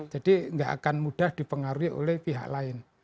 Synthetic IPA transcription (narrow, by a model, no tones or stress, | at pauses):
d͡ʒ̥ad̥iŋɡa̰ʔa̰kanmuɖ̥ahd̥i̤pəŋaɾuiʔo̰lɛhpiɦa̰ʔlaɪn